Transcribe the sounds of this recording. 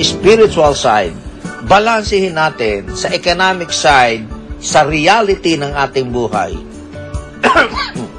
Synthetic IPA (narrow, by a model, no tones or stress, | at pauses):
ɪspiɾɪt͡ʃʊɐlsa̰jd̪̚bɐlansɪhɪnːaːt̪ɪnsɐʔɛkonamɪksajd̪̚sɐɾɪalɪt̪ɪnɐŋʔaːt̪ɪŋbuːha̰j